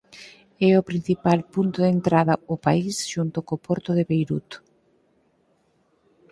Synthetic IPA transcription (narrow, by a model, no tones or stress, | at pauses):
ɛʊpɾin̟θipalpunt̪ʊðent̪ɾaðɐʊpaisʃunt̪ʊkopɔɾt̪ʊðɪβejɾut̪